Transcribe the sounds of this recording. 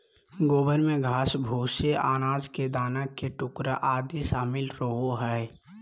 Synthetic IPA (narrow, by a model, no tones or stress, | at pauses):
ɡoːbəɾmẽɡʱaːsbʱuːseʔaːnaːd͡ʒked̪aːnəkeʈʊkɾaʔaːd̪isaːmɪlɾəɦoɦɛ